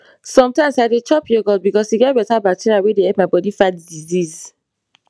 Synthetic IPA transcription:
sɔ̃mtãɪ̃msaɪdet͡ʃɔpjoɡɔd̚bikɔsuɡɛt̚bɛtabak̚tʰiɹiawedeɛpmaɪbɔdifatdiziz

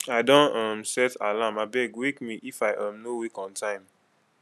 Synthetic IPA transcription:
aɪdɔ̃nãmsɛta̰lamaɪbɛɡwekmiʔifaɪʔãmnowikɔ̃ntʰãɪ̃m

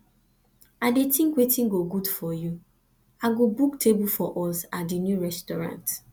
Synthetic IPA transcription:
adetĩŋkwetĩŋɡoɡudfɔju | aɡobuktʰebufɔʔɔsatdinjuɾɛstɔɾã̰nt

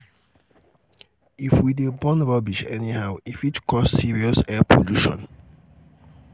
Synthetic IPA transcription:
ifwidebɔ̃nɹɔbiʃɛ̰nihaʊifitkʰɔsːiɹiɔsɛpʰo̰luʃɔ̰̃n

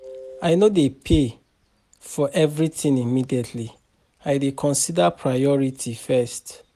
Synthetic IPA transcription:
aɪnodepʰe | fɔʔɛvɹitĩnimidietʰli | aɪdekʰɔ̃nsidapʰɹajɔɹitʰifɛst

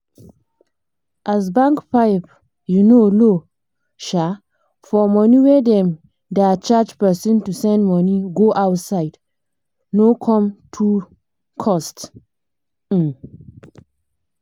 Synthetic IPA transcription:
ʔas̬bãŋkpaɪp | junolo | ʃa | fɔmɔniwedɛ̃m | dat͡ʃad͡ʒpɛsɔ̃ntusɛ̃ndmɔniɡoʔawtsaɪd | nokʰɔ̃mtʰu | kʰɔst

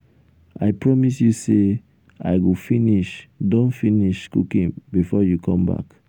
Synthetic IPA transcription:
ajpɹɔmisjuse | a̰jɡofiniʃdõnfiniʃkṵkĩnbifɔjukʰɔ̃mba̰k

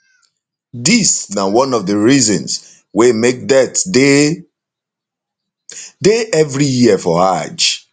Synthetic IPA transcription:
disnawɔ̃nɔvdəɹizɔ̃ns | wemek̚dɛte | deɛvɹijiəfɔhad͡ʒ

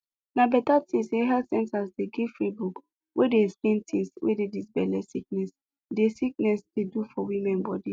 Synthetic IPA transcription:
nabɛtatʰĩsdeɦasɛ̃nsasdeɡifɹibuk | wʔedeskĩntʰĩswḛdedisbɛlɛsik̚nɛs | desik̚nɛsdedufɔwimɛ̃nbɔdi

